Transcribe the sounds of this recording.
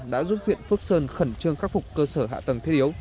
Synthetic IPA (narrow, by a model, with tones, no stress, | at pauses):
ɗa̰ː˧˥zu˦˥t̚kwḭ˧˨nfɨ˦˥ək̚səː˧nxə˧˩nt͡ɕɨ˧əŋxaː˦˥k̚fʊ˨˩k͡p̚kəː˧səː˧˩ɦa̰ː˧˨t̪ə˨˩ŋt̪ʰe˧˥t̚ʔi˨˦əw